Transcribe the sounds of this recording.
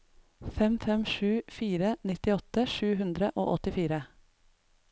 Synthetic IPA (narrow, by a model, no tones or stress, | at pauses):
fɛmfɛmʃʉːfiːɾənɪt̪ɪɔt̪əʃʉːhʉnd̪ɾəʔo̰ːʔɔt̪ɪfiːɾə